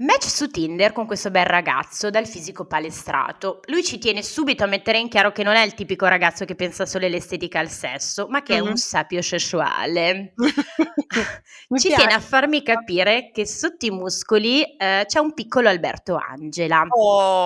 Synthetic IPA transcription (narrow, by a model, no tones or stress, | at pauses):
mɛt͡ʃːsut̪ind̪erkoŋkwest̪obɛlrːaɡa̰t̪sːod̪alfiːzikopalest̪ɾʔa̰ːt̪olujt͡ʃit̪jɛːnesuːbit̪oamːet̪ːeɾeiŋkjaːɾokenonɛilt̪iːpikoɾaɡat̪sːokepːɛnsasoːloelest̪ɛːt̪ikaːlsɛ̰sːomakːeɛunsapjosesua̰ːle | t͡ʃit̪jɛːneafːarmikapiːɾekesot̪ːoiimuskolit͡ʃɛumpikʰːoloalbɛ̰rt̪oa̰nd͡ʒela